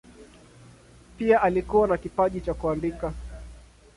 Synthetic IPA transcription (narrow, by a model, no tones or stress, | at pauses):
piaʔalikuwanakipaʄit͡ʃakuandika